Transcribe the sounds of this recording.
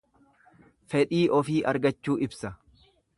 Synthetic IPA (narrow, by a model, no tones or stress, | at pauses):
fɛᶑiːʔɔfiːʔɐɾɡɐt͡ʃːuːʔɪbsɐ